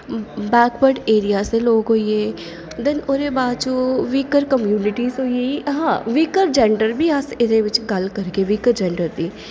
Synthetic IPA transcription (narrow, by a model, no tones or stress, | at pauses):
bɛːkbəɾɖeːɾijasẽloːɡɦoːieː | d̪ɪnʊɾebaːd̪t͡ʃuːʋiːkəɾkəmjuːnɪʈizɦoijeiɦãːʋiːkəɾd͡ʒɛ̃ɳɖəɾbʱiɐsɪd̪ẽʋɪt͡ʃɡɐlkɐɾkeʋiːkəɾd͡ʒɛ̃ɳɖəɾb̪iː